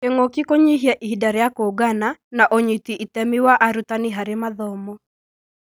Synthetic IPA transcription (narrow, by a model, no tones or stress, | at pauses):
keŋokikoɲiɦjaʔihidaɾɛjakoɡananaʔoɲitiʔitɛmiwaʔaɾut̪aniɦaɾemaðɔmɔ